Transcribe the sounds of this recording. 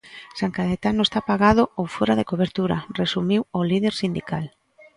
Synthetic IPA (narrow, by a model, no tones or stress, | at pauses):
saŋkaðet̪anoʊest̪apaɣað̞ʊowfoɾaðekoβeɾt̪uɾaresumiwolið̞eɾsind̪ikal